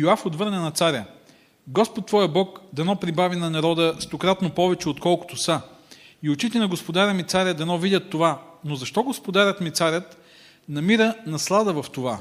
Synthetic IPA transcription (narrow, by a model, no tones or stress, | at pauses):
joafot̪vɤɾnɛnɐt̪saɾʲə | ɡɔspot̪tːvɔjəbɔkd̪ɐnɔpɾibavinɐnɐɾɔd̪əst̪okɾat̪nopɔvɛt͡ʃɛot̪kɔlˠkʊ̥t̪osəiot͡ʃit̪ɛnɐɡospod̪aɾʲəmit̪saɾʲəd̪ɐnɔvidʲət̪ːovanozɐʃt̪ɔɡospod̪aɾʲət̪mit̪saɾʲət̪ | nɐmiɾənɐslˠad̪əvɐft̪ova